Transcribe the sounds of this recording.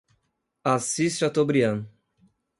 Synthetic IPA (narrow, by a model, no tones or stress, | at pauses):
asist͡ʃat̪obɾiɐ̃n